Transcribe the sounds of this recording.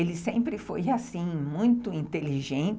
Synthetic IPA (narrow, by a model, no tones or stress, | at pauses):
elɪsẽmpɾɪfojasĩmũj̃t̪ʊĩnt̪eliʒẽnt͡ʃ